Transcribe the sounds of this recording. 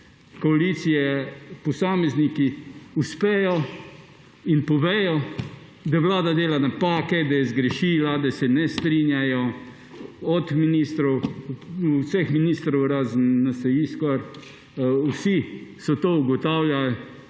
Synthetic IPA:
kɔalit̪sijɛpɔsaːmɛznikiuspɛːjɔ | inpɔʋɛːjɔ | d̪aʋlaːd̪ad̪eːlanapaːkɛd̪ajɛzɡɾɛʃiːlad̪asɛnɛst̪ɾiːnjajɔ | ɔt̪miniːst̪ɾɔw | sɛxminiːst̪ɾɔwɾaːznːasɐjiskaɾ | wsisɔt̪oːuɡɔt̪awljal

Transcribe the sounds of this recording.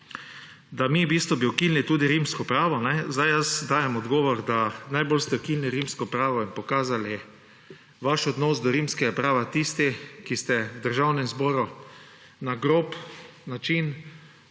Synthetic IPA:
d̪amibiːst̪ʋɔbiɔkiːlnit̪uːd̪iɾimskɔpɾaːʋɔnɛzd̪ajjəsd̪aːjɛmɔd̪ɡɔːʋɔɾd̪anajbolst̪ɛkilniɾimskɔpɾaːʋɔinpɔkaːzali | ʋaʃɔd̪nɔzd̪ɔɾimskɛɡapɾaːʋat̪ist̪ikist̪ɛwd̪əɾʒawnɛmzbɔːɾu | naɡɾopnat͡ʃin

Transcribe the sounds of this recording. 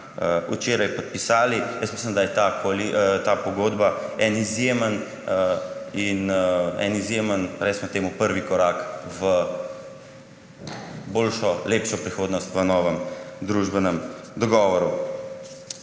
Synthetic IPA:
əut͡ʃeːɾajpɔt̪̚pisaːlijəsmisləmd̪ajɛt̪akɔlit̪apɔɡoːd̪baɛnizjemən | inɛ̰nizjemənɾɛsmɔt̪eːmupəɾʋikɔɾaːkʋə | boːlʃɔleːpʃɔpɾixoːd̪nɔst̪ʋənɔːʋəmd̪ɾuːʒbɛnəmd̪ɔɡɔːʋɔɾu

